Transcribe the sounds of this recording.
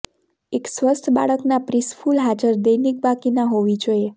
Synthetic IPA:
eksʋəst̪ʰba̰ɭəknapɾisfʰulɦad͡ʒəɾd̪əjnik̚bakinaɦoʋid͡ʒoje

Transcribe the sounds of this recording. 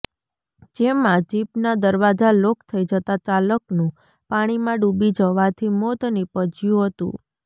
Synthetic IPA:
d͡ʒemãd͡ʒipnad̪əɾʋad͡ʒalokt̪ʰəid͡ʒət̪at͡ʃaləknũ | paɽ̃imãɖubid͡ʒəʋat̪ʰimɔt̪nipəd͡ʒjũɦət̪ṵ̃

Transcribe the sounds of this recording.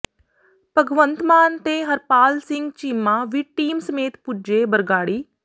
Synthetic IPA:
pəɡʋənt̪maːnt̪eːɦəɾpaːlsɪŋɡt͡ʃiːmãːʋiʈiːmsəmeːt̪pʊd͡ʒeːbəɾɡaːɽiː

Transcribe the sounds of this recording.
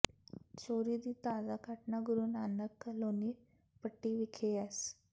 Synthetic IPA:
t͡ɕoɾiːd̪it̪ad͡zakaʈnaɡuɾuːnanəkloniː | pəʈːiʋikʰeas

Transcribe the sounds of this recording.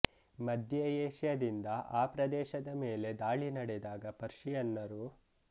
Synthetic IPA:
mɐd̪ʱjɐjeːʃjɐd̪ind̪ɐʔaːpɾɐd̪ɛːʃɐd̪ɐmeːle̞d̪aːɭinɐɽɛd̪aːɡɐpɐɾʂijɐnːɐɾu

